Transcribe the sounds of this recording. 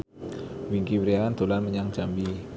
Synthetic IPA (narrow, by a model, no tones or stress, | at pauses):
wiŋkiwɾiaand̪̥o̤lanməɲaŋd͡ʒ̥ambi